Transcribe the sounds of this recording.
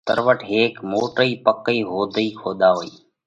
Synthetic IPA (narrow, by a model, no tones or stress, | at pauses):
t̪ə̰ɾʋəʈʰɦeːkmoːʈɾəiːpəkəiːɦoːd̪ʱəiːkʰoːɗ̪aːɦoːiː